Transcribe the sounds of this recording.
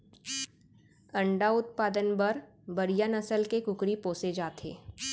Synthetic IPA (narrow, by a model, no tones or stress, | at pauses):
ɐ̃ɳɖaʊt̪̚paːd̪ənbɐɾ | bɐɾijanɐsəlkekʊkɾipoːsed͡ʒaːt̪ɦḛː